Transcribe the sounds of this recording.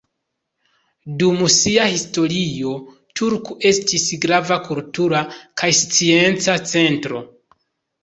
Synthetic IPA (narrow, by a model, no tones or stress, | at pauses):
dumsiahisto̞ɾio̞ | tʰuɾkuʔe̞stisɡɾavakultuɾakʰajst͡sie̞nt͡sat͡se̞ntɾo̞̰